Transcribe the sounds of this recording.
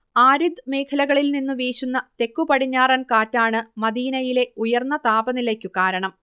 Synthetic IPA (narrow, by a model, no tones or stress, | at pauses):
aːɾid̪ɨme̞ːkʰɐlɐɣɐɭilninːuʋiːɕunːɐt̪e̞kːupɐɽiɲːaːrɐnkaːtːaːɳɨmɐd̪iːnɐjile̞ujɐrnːɐt̪aːbɐnilekʲːukaːɾɐɳɐm